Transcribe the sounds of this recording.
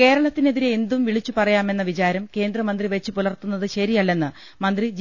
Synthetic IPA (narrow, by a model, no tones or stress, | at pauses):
ke̞ːɾɐɭɐt̪ːineðiɾeːnd̪umʋiɭit͡ɕːupɐrɐjaːme̞nːɐʋit͡ɕaːɾɐmke̞ːnd̪rɐmɐnd̪riʋɐt͡ɕːupulɐrt̪unːɐðɨɕɐɾijɐlːe̞nːɨ | mɐnd̪rid͡ʑ